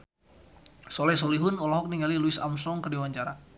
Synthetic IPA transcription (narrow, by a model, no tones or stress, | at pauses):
sɔlɛs̬ɔliɦʊnɔlɔɦɔk̚niŋɡaliluisa̰msɾɔŋkərdiwaɲt͡ʃaɾa